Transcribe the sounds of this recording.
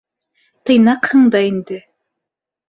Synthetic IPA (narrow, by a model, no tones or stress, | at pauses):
t̪ɤ̆jnɑqhɤ̆ɴd̪ɑind̪ɘ